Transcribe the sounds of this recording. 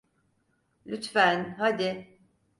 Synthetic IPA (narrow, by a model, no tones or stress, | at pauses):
lʲyt̪fænɦad̪ɪ